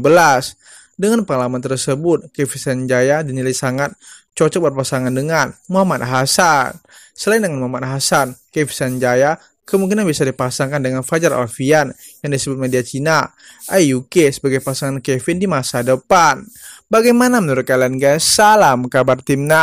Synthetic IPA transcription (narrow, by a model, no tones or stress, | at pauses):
bəlas | dəŋanpəŋalamant̪ərsəbʊt̪̚kɛfisand͡ʒajadinilajsaŋat̪̚t͡ʃɔt͡ʃɔk̚bərpasaŋandəŋanmuɦamat̪̚ɦasan | səlaɪndəŋanmuɦamat̪ɦasankefi̥sand͡ʒaja | kəmuŋkinanbiasadipasaŋkandəŋanfad͡ʒaɾa̰lfian | jaŋdisəbʊt̪̚mediat͡ʃina | ʔajukesəbaɡajpasaŋankefɪndimasadəpanbaɡajmanamənuɾʊt̪̚kalianɡasalamkabart̪imna